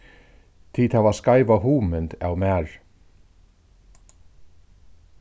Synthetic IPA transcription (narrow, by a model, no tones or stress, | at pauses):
t̪ʰiːt̪havaskajvaɦuːmɪnt̪a̰wmæːɹ